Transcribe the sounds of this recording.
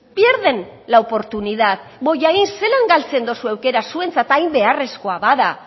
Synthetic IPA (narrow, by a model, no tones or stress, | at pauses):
bjeɾðe̞nlaopo̞ɾt̪unið̞aðbo̞ʝaɣinse̞laŋɡalt͡se̞nd̪osuewke̞ɾasue̞nt͡sat̪ajmbe̞are̞sko̞aβaða